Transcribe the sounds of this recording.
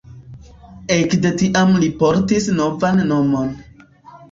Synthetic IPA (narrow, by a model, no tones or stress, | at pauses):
ekdetiʔamlipo̞ɾtisnovanːo̞mo̞n